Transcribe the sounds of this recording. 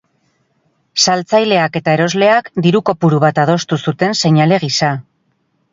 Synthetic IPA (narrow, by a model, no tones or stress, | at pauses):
salt͡sajle̞ake̞t̪ae̞ɾo̞zle̞akd̪iɾuko̞puɾuβ̞at̪að̞o̞st̪usut̪e̞nse̞ɲale̞ɣ̞isa